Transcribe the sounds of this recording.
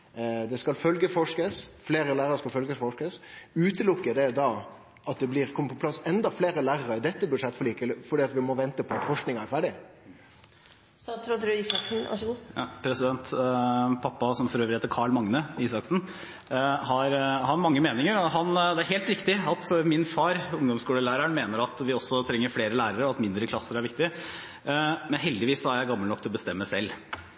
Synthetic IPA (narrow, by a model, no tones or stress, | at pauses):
d̪ɛskɑlfœlɡəfɔʂkəsfleːɾəlæːɾʁɑɾʂkɑlfœlɡəfɔʂkəsʉːt̪əlʊkːəd̪ɛd̪ɑ | ʔɑt̪̚d̪ɛblɪːɾkʰɔmːəpʰɔpʰlɑsːɛnd̪ɑfleːɾəlæːʁəɾəd̪ɛt̪ːəbʉʂɛt̪ːfɔɭiːkəlfɔɖiːɑt̪ʋɪmɔʋɛnt̪əpʰɔt̪fɔʂknɪŋɑæɾfæɖɪ | st̪ɑːt̪sɾoːd̪ɾʉiːsɑksn̩ɑ̰ʂuːpʰɾɛsɪd̪ɛnt̪ | pʰɑpːɑsɔmfɔɾøːʋɾɪheːt̪əɾkʰɑːɭmɑŋnəiːsɑksn̩ | hɑɾhɑɾmɑŋːəmeːnɪŋəɾɔɦɑnd̪ɛæɾɦeːlt̪ɾɪkt̪ɪɑt̪mɪnfɑːɾʊŋd̪ɔmskuːləlæːɾəɳmeːnəɾɑt̪ʋɪɔsːɔt̪ʰɾɛŋːəɾfleːɾəlæːɾəɾəɔɑt̪mɪnd̪ɾəkʰlɑsːəɾæɾʋɪkt̪ɪə | mɛnɦɛld̪ɪʋiːsɔæɾjæɪɡɑmːəlnɔkt̪ʰɪlɔbəst̪ɛmːəsɛlː